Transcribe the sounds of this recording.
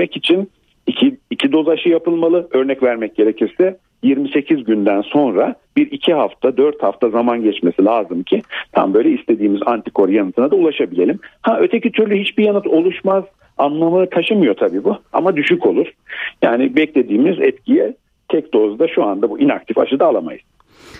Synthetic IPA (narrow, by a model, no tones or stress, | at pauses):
ɛcit͡ʃʰin | icʰiicʰid̪o̞zaʃɯjapɯlˠmalˠɯʔø̞ɾnɛcvæɾmɛc̚ɟ̥e̞ɾe̞cʰiɾsɛ | jiɾmise̞cʰizɟynd̪ænso̞nɾabiɾicʰiɦaft̪ʰad̪øɾt̪haft̪ʰazamanɟɛt͡ʃme̞silʲaːzɯmcʰit̪ʰa̰mbø̞jlʲɛist̪ʰe̞d̪iːmizant̪ʰi̥kʰo̞ɾjanɯt̪ʰɯnad̪aulˠaʃabilʲe̞lʲimhaø̞t̪ʰecit̪ʰyɾlʲyhit͡ʃbijanɯt̪ʰo̞lˠuʃmaz̥ | anlˠamɯk̪ʰaʃɯmɯjo̞t̪ʰabiːbua̰mad̪yʃyco̞lˠuɾ̥ja̰ːnɪbɛclʲe̞d̪iːmiizɛ̰t̪cʰijɛ | t̪ʰɛc̚d̪o̞zd̪aʃuand̪abuʔinak̚t̪ʰifa̰ʃɯd̪aːlˠama̰jɯz̥